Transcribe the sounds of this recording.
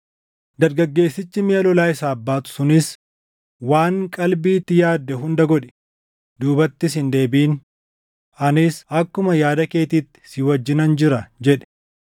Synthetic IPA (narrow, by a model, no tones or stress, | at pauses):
d̪ɐɾɡɐɡːe̞ːsːɪt͡ʃːɪmeːlɔlaːɪsaːbːaːt̪ʊ̥sʊnɪs | waːŋkʼɐlbiːt̪ːɪjaːd̪ːɛɦʊnd̪ɐɡɔᶑɛ̥ | d̪uːbɐt̪ːɪs̬ɪnd̪e̞ːbiːn | ɐnɪsɐkːʊmɐjaːd̪ɐke̞ːt̪iːt̪ːɪ̥sɪwɐd͡ʒːɪnɐnd͡ʒɪɾɐd͡ʒɛᶑɛ̥